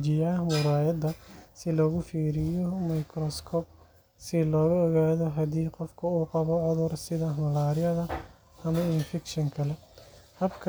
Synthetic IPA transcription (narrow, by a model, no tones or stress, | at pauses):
d͡ʒɪjaːmʊɾaːjɐd̪ɐsɪlɔːɣʊfiːɾɪjɔmɐjkʰɾɔskʰɔːb̚ | sɪlɔːɣɐɔɣaːðɔɦɐd̪iːqɔfkʰɐuːqɑβɔʕʊðʊrsɪðɐmɐlaːɾɪjɐðɐ | ɐmɐɪnfɪkʃɐŋkʰɐlɛhɐbkʰ